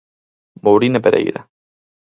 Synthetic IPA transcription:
mowɾinepeɾʔḛjɾa̰

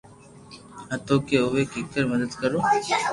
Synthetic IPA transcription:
ɦat̪okeoʋekikːəɾməd̪əd̪kəɾo

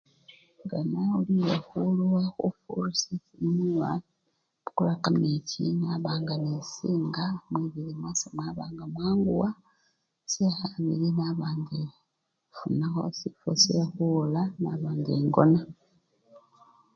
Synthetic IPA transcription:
ɡanauliwexuluwaxṵfṵɾusisimuwa | kulakamicḭnaβaːŋɡamisiːŋɡamwiβiɾimasamwaːβaːŋɡamwaːŋɡuwa | sehaβḭɾinaβaːndi | funaxo̞̰sifo̰sexulanaβaːndeŋɡona

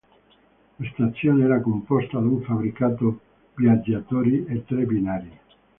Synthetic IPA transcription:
last̪at̪sːjoːneɛɾakompɔst̪ad̪uɱfabɾikat̪o | bjad͡ʒːat̪oːɾiet̪ːɾebinaːɾi

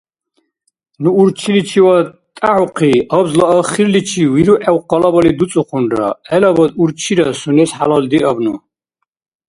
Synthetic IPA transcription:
nuːɾt͡ʃʰilit͡ʃʰiwa | t̪ʼaʕuqʰiabzlaːχiɾlit͡ʃʰiwiɾuʔɛwqʼalabalid̪ut͡sʼuχunɾa̰ɛlabad̪uɾt͡ʃʰiɾasunɛsħa̰lald̪iabnu

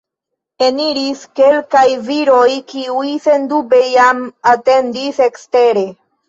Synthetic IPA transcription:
e̞niɾiske̞lkajviɾo̞jkiujse̞ndube̞jamate̞ndise̞kste̞ɾe̞

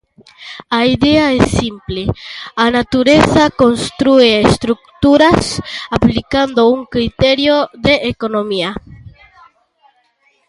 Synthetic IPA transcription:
aid̪e̞aesːimple̞anat̪uɾe̞θako̞nst̪ɾueest̪ɾuk̚t̪uɾasaplikand̪o̞uŋkɾit̪eɾjod̪e̞ʔːko̞no̞mia

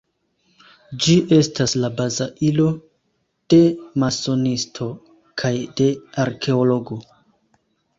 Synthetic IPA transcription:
d͡ʒiʔe̞staslabazaʔilo̞ | d̥e̞maso̞nistʰo̞ | kʰajde̞aɾkʰe̞olo̞ɡo̞

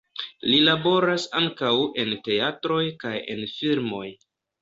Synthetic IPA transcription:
lilabo̞ɾasaŋkawe̞nte̞atɾo̞jkaje̞̰nfilmo̞j

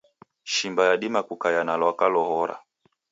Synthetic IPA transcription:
ʃimbajaɗimakukajanalwakalɔhɔɾa̰

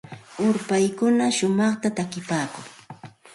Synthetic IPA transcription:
ʊɾpajkʊnaʃʊmɑχt̪at̪akɪpaːkʊŋ

